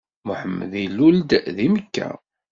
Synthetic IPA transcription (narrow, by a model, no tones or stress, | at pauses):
mʊħəmːə̰ðilːuld̪ðiməkːæ̰